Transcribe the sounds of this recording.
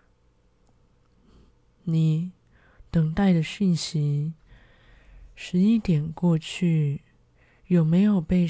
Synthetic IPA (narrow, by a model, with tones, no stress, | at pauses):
ni˨˩˦ | t̪ɤ˨˩ŋt̪a˥˩ɪd̪ə˩ɕi˥˩nɕi˧˥ | ʂɻ̩˧˥i˥˩t̪jɛ˨˩nkwɔ˥˧t͡ɕʰy˥˩ | jo˨˩ʊme˧˥ɪjo˨˩ʊpe˥˧ɪ